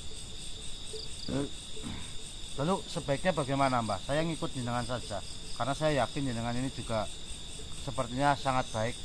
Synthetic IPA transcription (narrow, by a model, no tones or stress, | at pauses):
lalusəba̤ɪk̚ɲabaɡajmanambahsajaŋikʊt̪̚ɲinəŋansḁd͡ʒ̥akarnasajajakɪninəŋanini̥d͡ʒuɡ̥a | səpərt̪iɲasaŋat̪̚b̥aɪk̚